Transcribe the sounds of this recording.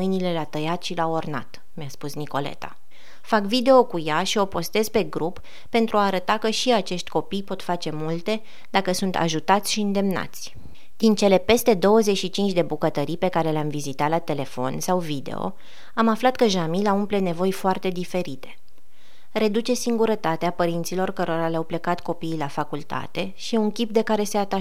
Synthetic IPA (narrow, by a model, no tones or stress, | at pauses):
ɨjnile̞lat̪əjat̪ʃilaorna̰t̪ | measpusniko̞̰le̞̰t̪a̰ | fakvid̪e̞o̞kujaʃio̞po̞st̪e̞zpe̞ɡɾupː | e̞nt̪ɾuaːɾət̪akəʃiat͡ʃeʃt̪ʲko̞pijpo̞t̪fat͡ʃe̞mult̪e̞ | d̪akəsunt̪a̰ʒut̪at̪sʲʃiɨnd̪e̞mna̰t̪sʲ | d̪̥int͡ʃe̞le̞pe̞st̪e̞d̪o̞wəze̞t͡ʃʃit͡ʃint͡ʃʲd̪e̞bukət̪əɾijpe̞kaɾe̞leamvizit̪at̪lat̪e̞le̞fo̞̰nsawvid̪e̞̰o̞̰ | amaflat̪kəʒamilaumple̞ne̞vo̞jfoart̪e̞d̪ife̞ɾit̪e̞̥ | re̞d̪ut͡ʃe̞siŋɡuɾət̪at̪eapəɾint̪silo̞rkəɾo̞ɾaleawple̞kat̪ko̞piːlafakult̪a̰t̪e̞ʃiuŋkʲip̚d̪e̞kaɾe̞se̞at̪a